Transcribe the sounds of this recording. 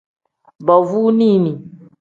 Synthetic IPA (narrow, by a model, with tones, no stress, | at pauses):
bɔ˨vu˦nĩ˦˨nĩ˨